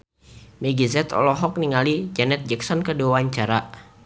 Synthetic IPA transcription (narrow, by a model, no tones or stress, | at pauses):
mɛɡizɛt̪ʰɔ̰lɔɦɔk̚niŋalid͡ʒanɛt̪̚d͡ʒɛksɔnkəduawaɲt͡ʃaɾa